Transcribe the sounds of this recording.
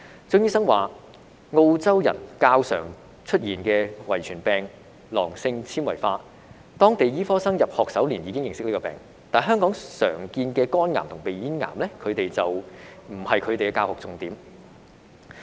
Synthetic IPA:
t͡sʊ˥˧ŋjiː˥sɐ˥ŋwaː˨ | ŋo˧wt͡sɐ˥wjɐ̰˨˩nkaː˧wsœ̰ː˨˩ŋ | t͡ʃʰɵ˥t̚jiː˨˩nkɛː˧wɐ˨˩jt͡ʃʰyː˨˩npɛː˨˩ŋ | lɔ̰ː˨˩ŋsɪ˧ŋt͡sʰiː˥nwɐ̰˨˩jfaː˧ | t̪ɔː˥ŋt̪e˨jiː˥fɔː˥sɐ˥ŋjɐ˨p̚hɔː˨k̚sɐ˨˥wliː˨˩njiː˨˧˥ɪ˥ŋjɪ˨ŋsɪ˥k̚liː˥kːɔː˧pɛ̰ː˨˩ŋ | t̪aː˨˩nɦœː˥ŋkɔː˨˥ŋsœ̰ː˨˩ŋkiː˧nkɛː˧kɔː˥nŋaː˨˩mt̪ʰʊ˨˩ŋpe˨jiː˨˥nŋa̰ː˨˩mlɛː˥kʰɵ˨˧ɥt̪e˨jt͡sɐ˨wm̩˨˩hɐ˨jkʰɵ˨˧t̪e˨jkɛː˧kaː˧whɔː˨k̚t͡sʊ˨˧ŋt̪iː˨˥m

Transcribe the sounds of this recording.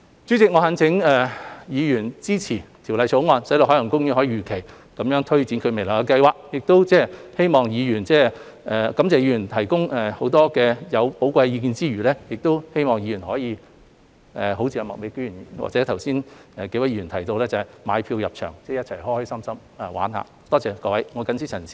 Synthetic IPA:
t͡sy˨˥t͡sɪ˨k̚ŋɔː˨˧ha˨˧nt͡sʰɪ˨˥ŋɛː˨jiː˨˧jyː˨˩nt͡siː˥t͡sʰiː˨˩t̪ʰi˨˩wlɐ˨˧jt͡ʃʰo˨˥wŋɔː˨˧nsɐ˨˥t̪o˧hɦːlɐ˨˩ŋkʊ˥ŋjyː˧˥hɔː˨˥jiː˧jyː˨˩kʰe˨˩j | kɐ˨˥mjœː˨˥ŋt̪ʰɵ˥ɥt͡siː˨˥nkʰɵ˧me˨˩lɐː˨˩kɐ˧kɐ˧jwaː˨k̚jɪ˨k̚t̪o˥wt͡sɛː˥˩he˥jmɔː˨ŋjiː˨˧jyː˨˩nt͡sɛː˥˩ | ʔɛː˨kɐ˨˥mt͡sɛː˨˩jiː˨˧jyː˨˩nt̪ʰɐ˨˩jkʊ˥ŋɛː˨ho˨˥wt̪ɔː˥kɛː˧jɐ˨˧wpo˨˥wkʷɐ˧jjiː˧k̬iː˧nt͡siː˥ɥyː˨˩lɛː˥jɪ˨k̚t̪o˥whe˥jmɔː˨˩ŋji˨˧jy˨˩nhɔː˨˥jiː˨˧ | ʔɛː˨˩ɦo˨˧˥wt͡sʰiː˧jɐ˨˧mɐ˨k̚me˨˧jkːy˨˩n˨wa̰˨t͡sɛː˨˥t̪ʰɐ˨˩wsiː˥nɛː˨ke˧˥wɐ˨˥ji˧y˨˩nt̪ʰɐ˨˩jt̪o˧wlɛː˥t͡sɐ˨ma̰ː˨˧jpʰiː˧wjɐ˨p̚t͡ʃʰœ̰ː˨˩ŋt͡sɛː˥˧˩jɐ˥t̚t͡sʰɐ˨˩jhɔː˥hɵ˧˥sɐ˥msɐ˥m | ɛ˨wa̰ː˨˥nha̰ː˧ | t̪ɔː˥t͡sɛː˨˧kɔː˧wɐ˨˧˥jŋɔː˨˧kɐ˨˥nsi˥t͡sʰɐ˨˩nsiː˧˥

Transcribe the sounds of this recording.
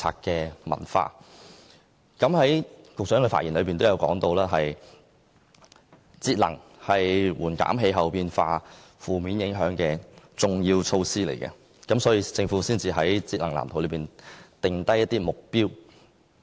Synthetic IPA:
t͡sʰa̰ː˧kɛː˧mɐ̰˨˩nfa̰ː˧ | kɐ˨˥mhɐ˨˥jkʊ˨k̚sœː˨˥ŋkɛ˧fa̰˧tjiː˨˩nlɵ˨˧pi˨nt̪o˥wjɐ˨˧wkɔ̰ː˨˥ŋt̪o˧wlaː˥ɦɐ˨j | t͡siː˧t̚lɐ̰˨˩ŋhɐ˨jwuː˨˩nka̰ː˨˥mɦe˧jɦɐ˨wpiː˧nfaː˧ | fuː˨miː˨˥njɪ˨˥ŋɦœː˨˥ŋkɛː˧t͡sʊ˨ŋjiː˧wt͡sʰo˧wsiː˥lḛ˨˩jkɛ̰˧ | kɐ˨˥msɔː˨˥jiː˧t͡sɪ˧ŋfu˨˥siː˥nt͡siː˧ɦɐ˨˥jt͡siː˧t̚lɐ˨˩la̰ː˨˩mt̪o˨˩wlə˨˧piː˨˩nt̪ɪ˨ŋt̪ɐ˥jɐ˥t̚t̪iː˥mʊ˨k̚piː˥w

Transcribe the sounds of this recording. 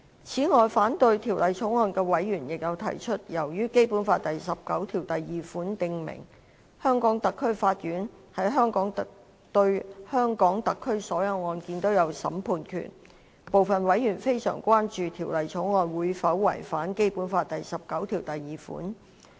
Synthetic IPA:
t͡sʰiː˨˥ŋɔː˨jfaː˨˥nt̪ɵ˧ɥt̪ʰiː˨˩wlɐ˨jt͡sʰʊ˨˥ŋɔː˧nkɛː˧wɐ˨˥jɥyː˨˩njɪ˨k̚jɐ˨˧wt̪ʰɐ̰˨˩jt͡ʃʰɵ˥t̚jɐ˨˩wjyː˥ke˥jpu˨˥nfaː˧t̚t̪ɐ˨jsɐ˨p̚kɐ˨˥wt̪ʰiː˨˩wt̪ɐ˨jːiː˨fuː˨˥nt̪ɪ˧ŋmɪ̰˨˩ŋ | hœː˥ŋkɔː˨˥ŋt̪ɐ˨kʰːɵ˥ɥfaː˧t̚jyː˨˥nhɐ˨˥jɦœː˥ŋkɔː˨˥ŋt̪ | t̪ɵ˧ɥhœː˥ŋkɔː˨˥ŋt̪ɐ˨kʰːɵ˥ɥsɔː˨˥jɐ˨˧wŋɔː˧nkiː˧nt̪o˥wjɐ˨˧wsɐ̰˨˥mpʰuː˧nkʰy̰˨˩n | po˨wfɐ˨nwɐ˨˥jjy˨˩nfe˥jsœ̰ː˨˩ŋkʷwaː˥nt͡ʃyː˨˧t̪ʰiː˨˩wlɐ˨jt͡sʰʊ˨˧˥ŋŋɔː˧nwuː˨˧jfɐ˨˥wwɐ̰˨˩jfaː˨˥nke˥jpuː˨˥nfaː˧t̚t̪ɐ˨jsɐ˨p̚kɐ˨˥wt̪ʰiː˨˩wt̪ɐ˨jːiː˨˩fṵː˨˥n

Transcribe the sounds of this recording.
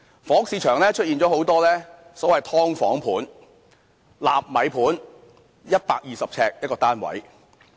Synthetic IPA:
fɔː˨˥ksiː˨˧t͡ʃʰœː˨˩ŋlɛː˥t͡ʃʰt̚iː˨nt͡ʃɔː˨˥ho˨˥wt̪ɔː˥lɛː˥sɔː˨˥wɐ˨jt̪ʰɔː˥ŋfɔ̰ː˨˥ŋpʰuː˨˥n | la̰ː˨p̚mɐ˨˥jpʰuː˨˥n | jɐ˥t̚paː˧k̚jiː˨sɐ˨p̚t͡sʰɛː˧k̚jɐ˥kɔː˧t̪aː˥nwɐ̰˨˥j

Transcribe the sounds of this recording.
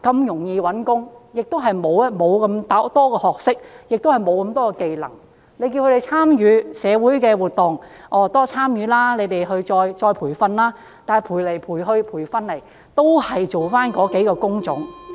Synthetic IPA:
kɐ˧mjʊ˨˩ŋjiː˧wɐ˨˥nkʊ˥ŋjɪ˨k̚t̪o˥wɦɐ˨jmo˨˧wmo˨˧wkɐ˧mt̪a˥t̪ɔː˥kɔː˧hɔː˨k̚sɪ˥k̚jɪ˨k̚t̪o˥whɐ˨jmo˨˧wkɐ˧mt̪ɔː˥kɔ˧ke˨jlɐ̰˨˩ŋ | le˨˧jk̬i˧wkʰɾe˨jt͡sʰaː˥mjyː˨˧sɛː˨˧wuː˨˥jkɛː˧wuː˨˩t̚t̪ʊ˨ŋʔɔː˨˩t̪ɔː˥t͡sʰaː˥mjyː˨˧˥laː˥ne˨˧jt̪e˨jɦɵ˧ɥt͡sɔː˧jt͡sɔː˧jpʰuː˨˩jfɐ˧nlaː˥ | t̪aː˨nɛ˨jpʰuː˨˩jle˨˩jpʰuː˨˩jɦɵ˧ɥpʰuː˨˩jfɐ˧nlɐ˨˩j | t̪o˥whɐ˨jt͡so˨wfaː˥nkɔː˨˧˥ke˨˥jkɔː˧kʊ˥ŋt͡sʊ̰˨˥ŋ

